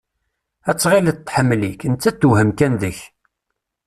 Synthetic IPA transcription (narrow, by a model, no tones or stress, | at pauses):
æt͡sːʁilət̪ːħəmːlikənt͡sːæt̪ːuhəmkænðəç